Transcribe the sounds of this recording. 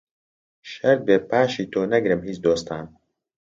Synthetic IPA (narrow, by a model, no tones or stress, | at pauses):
ʃɐɾd̪̚beːpʰaːʃiːt̪ʰoːnɐɡɾɨmhiːt͡ʃd̪oːst̪ʰaːn